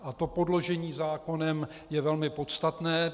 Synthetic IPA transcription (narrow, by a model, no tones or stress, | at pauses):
ʔat̪o̞po̞dlo̞ʒɛɲiːzaːko̞nɛm | jɛvɛlmɪpo̞t̪st̪at̪nɛː